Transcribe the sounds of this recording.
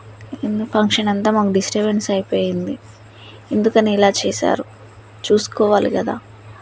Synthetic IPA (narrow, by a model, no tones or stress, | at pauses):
enupʰɐŋkʂɐnɐnt̪aːmaːkuɖisʈɐbensɐjpoːjind̪i | e̞nd̪ukɐniːlaːt͡ʃɛːsa̰ːɾu | t͡ʃuːsu̥kɔːʋaːlḭkɐd̪a̰ː